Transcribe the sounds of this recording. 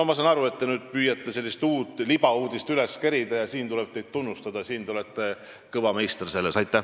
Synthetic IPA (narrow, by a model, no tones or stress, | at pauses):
mɑs̬ɑnɑɾue̞t̪ːe̞nyːd̪̥̚pyːjɑt̪ːˑe̞se̞lʲːist̪uːt̪ːˑlibɑuːd̪̥ist̪yle̞skeɾid̪ɑjɑsiːnt̪ule̞b̥̚t̪e̞jd̪̥̚t̪unːust̪ɑd̪̥ɑsiːnt̪ulet̪ˑːe̞ | kɤvɑmejst̪rse̞lːesɑjt̪ːˑæ